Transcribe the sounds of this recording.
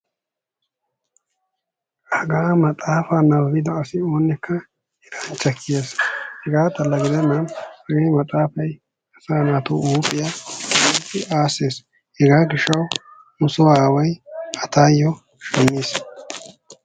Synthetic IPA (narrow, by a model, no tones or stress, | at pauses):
ɐɡaːmɐt̪ʼaːfaːnɐwːɪd̪ɐːsɪoːnːɛkʰːɐ | hɛɾant͡ʃːɐkʰːɪjeːshɛɡaːt̪ɐlːɐɡɪd̪ɛnːɐnhɐɡɐjmɐt̪ʼaːfɐj | ɐsaːnaːt̪uuːpʼɪjɐit̪ːɪʔaːseːs | hɛɡaːɡɪʃːɐw | mʊsʊwaːwɐjɐt̪aːjɔ | ʃɛmːiːs